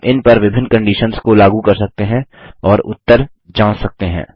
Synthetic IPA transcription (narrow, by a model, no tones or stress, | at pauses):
ʔɪnpɐɾʋɪbʱɪ̃nːkɐ̃ɳɖiːʃənskolaːɡukɐɾsɐk̚t̪eɦɛ̃ | ɔːɾʊ̰t̪ːəɾ | d͡ʒãːɽsɐk̚t̪eɦɛ̰̃ː